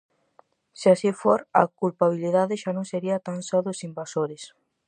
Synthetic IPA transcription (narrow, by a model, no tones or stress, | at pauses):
seasifoɾa̰kulpaβiliðaðɪʃanõŋseɾiat̪ansaðosimbasoɾɪs